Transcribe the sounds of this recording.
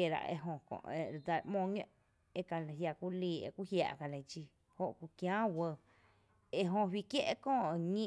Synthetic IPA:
e˧˨ɾa̰˧˨ʔḛ˧ɦõ˧kõ̰˧˨ʔe˧˨ɾd̪a˧˨˧ʔmõː˧˨ɲõ̰˧ʔ | e˧ka˨nã˨ɦja˧˨ku˦liː˧ḛ˧ku˦hja̰˧˨ʔka˧lã˧˨˧d͡ʒi˧ | ho˧ʔku˧kjãː˦wə˧ | e˧ɦõ˧wi˧kje˦ʔkõː˦˧˨ʔŋĩ˦˧

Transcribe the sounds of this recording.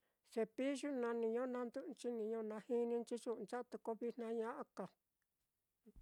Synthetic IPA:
se˧pi˦ʒu˦nã˧nĩ˧ɲõ˦nã˧nd̪u˦ʔt͡ʃi˦nĩ˨˧ɲõ˦˧nã˧hi˦nĩ˧nt͡ʃi˦ʒu˦ʔnt͡ʃa˦˧t̪u˧ko˧βi˧n̥ã˧ɲã˦ʔa˧ka˨

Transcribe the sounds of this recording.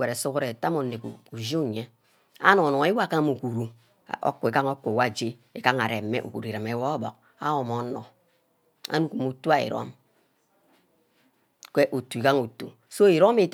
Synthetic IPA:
e˨ɾe˨su˦ku˦ɾe˨ta˦mo˨nːe˨kṵ˨ku˨ʒi˦u˦˨ɲe˦ | a̰˦no˨nɔ˨˦e˦wa˦˨ka˦mu˨ku˨ɾu˨ | o̰˦kːu˨e˨ka˦ŋo˦kːwa˦˨d͡ʒe˦e˨ka˦ŋa˨ɾe˨mḛ˦ʔṵ˨kṵ˨ɾi˨ɾa˨me˨˦wɔ˦bo̰˨k̚ | a̰˦o˨mo˨˦nɔ̰˨ | a̰˦nu˦ku˨mu˨tu˦a˨ḭ˨ɾo̰˦m | kʷe˦ʔo˨tu˨i˨ka˦ŋo˨tṵ˨ | so˦i˨ɾo˦me˦˨t

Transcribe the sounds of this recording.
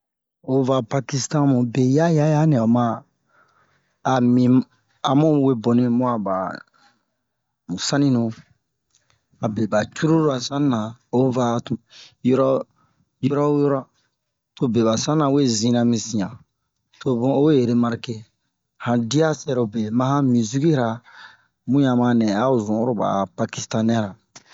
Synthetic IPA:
o˨va˨pa˧ki˦stã˦mũ˨be˨ja˦ja˦ja˦nɛ̃˨ɔ˨mã˦˨ | mĩ˨ | a˨mũ˦we˦bo˨nĩ˧mũ˦a˨ba̰˨ | mũ˨sã˦nĩ˦nũ˨ | a˨be˨ba˨t͡ʃu˦ɾu˦ɾa˨sã˦n˦nã˨o˦va˨tu˨jɔ˦ɾɔ˦ | jo˦ɾɔ˦jɔ˦ɾɔ˦ | to˨be˨βa˨sã˦ã˨we˦zĩ˧nã˧mĩ˨sĩ˨ã˨ | to˨bõ˦o˦we˦je˨ɾe˦ma˦ɾi˦˨ke˦ | hã˨di˦a˦sɛ˦ɾo˨be˨mã˦hã˦mĩ˨zu˦ɡi˦ɾa˨ | mũ˦jã˨mã˧nɛ̃˨a˦o˨zɔ̃˨˦ɾo˦ba̰˨pa˧ki˨stã˦nɛ̃˦ɾa˨

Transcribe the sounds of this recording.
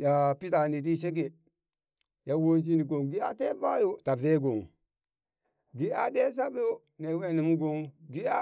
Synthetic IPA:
ja˨pi˦ta˨ni˨t̬i˦s̬e˦ɡ̬e˨ | ja˨wo˦nt͡ʃ̬i˦ni˨ɡo˨ŋɡi˦a˦te˦va˦jo˦ta˨ve˦ɡo˨ŋ | ɡi˦a˨de˦s̬a˦ɓe˦jo˦ | ne˨we˦ni˨mu˦ɡo˦ŋɡi˦a˦

